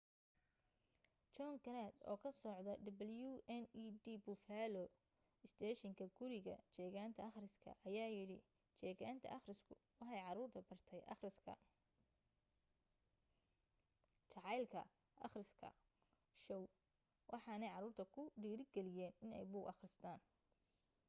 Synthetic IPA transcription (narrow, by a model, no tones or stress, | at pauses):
t͡ʃɔŋkɐɾad̪ɔ̰ːkʰɐsɔʕd̪ɐɖ̪ɐbɐljuʔɛniːd̪iːbʊfaːlɔ | ɪst̪ʰɛːʃɪŋkʰɐɡʊɾɪɣɐ̰t͡ʃɛːɣaːnt̪ʰɐɑχrɪskʰɐ̰ʔɐjaːjɪɽɪ̰ | t͡ʃɛːɣaːnt̪ʰɐ̰ʔɐχrɪskʰʊwɑħɑjʕɑɾuːrt̪ʰɐbɐrt̪ʰɛjʔɑ̰χrɪskʰɐ̰ | t͡ʃʰɑʕɑjlkʰɐ̰ | ʔɑ̰χrɪskʰɐ̰ | ʃɔw | wʔɑħɑːnɛjʕɑɾuːrt̪ʰɐkʰʊɖiːɾɪɡɛlɪjɛːnɪnɛ̰jbuːɣɐχrɪst̪ʰaːn